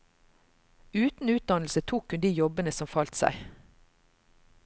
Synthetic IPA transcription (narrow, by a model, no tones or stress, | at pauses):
ʉːt̪n̩ʉːt̪̚d̪ɑnl̩sət̪ʰuːkʰʉnd̪iːjɔbənəsɔmfɑlt̪sæ̰ɪ